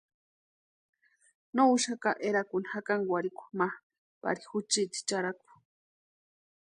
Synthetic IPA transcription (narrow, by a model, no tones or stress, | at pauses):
nouʃakaʔeɾakunihakaŋɡwʷaɾiku̥mah | pa̰ɾixut͡ʃit̪i̥t͡ʃaɾaku̥